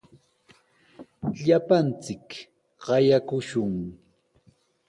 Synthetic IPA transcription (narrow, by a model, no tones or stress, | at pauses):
ʎapant͡sɪk | ɢɑjakʊʃʊŋ